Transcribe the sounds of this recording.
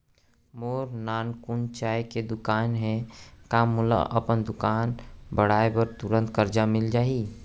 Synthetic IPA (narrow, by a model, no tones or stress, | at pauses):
moːɾnaːnkʊnt͡ʃaːeked̪ʊkaːnɦɛ̃kamʊla̰ʔə̰pənd̪ʊkaːnbəɽ̤aːepəɾt̪ʊɾə̃nt̪kəɾd͡ʒamɪld͡ʒaːi